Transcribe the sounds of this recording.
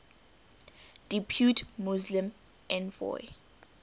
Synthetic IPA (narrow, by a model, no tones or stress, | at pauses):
d̥ipʰjutʰmuzlĩm | ʔɛ̃nvɔ̰j